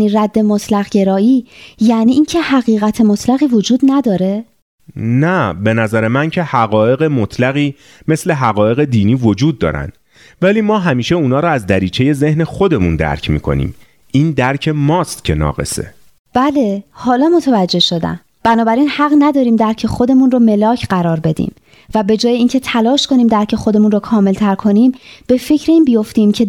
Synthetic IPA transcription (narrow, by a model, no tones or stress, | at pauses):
iːræd̪ːe̞mot̪ʰlæɣɟe̞ɾɒːiːjæːniːʔiːncʰe̞hæɣiːɣæt̪ʰemot̪ʰlæɣiːvo̞d͡ʒuːd̪næd̪ɒːɾe̞ | næbe̞næzæɾemæncʰe̞hæɣɒːje̞ɣe̞mot̪ʰlæɣiː | me̞sle̞ɦæɣɒːje̞ɣe̞d̪iːniːvo̞d͡ʒuːd̪̚ːɒ̰ːɾæ̰nd̪ | væliːmɒːɦæmiːʃe̞uːnɒːɾɔæzd̪æɾiːt͡ʃʰe̞je̞ze̞hne̞xo̞d̪emund̪æ̰ɾcʰmḭːkʰo̞̰nḭːm | ʔiːnd̪æɾcʰe̞mɒːst̪cʰe̞nɒ̰ːɣe̞̰sḛ | b̥æle̞hɒːlɒːmo̞t̪ʰevæd͡ʒːe̞hʃo̞d̪æ̰n | b̥ænɒːbæɾiːnhæɣnæd̪ɒːɾiːmd̪æɾcʰe̞xo̞d̪e̞munrome̞lɒːcʰɢæɾɒːɾbe̞d̪ḭːm | væbe̞d͡ʒɒːje̞iːncʰe̞t̪ʰælɒːʃko̞niːmd̪æɾcʰe̞xo̞d̪e̞munrokʰɒːme̞lt̪ʰæɾkʰo̞niːmb̥e̞fe̞cʰɾeiːnbijo̞ft̪iːmcʰe̞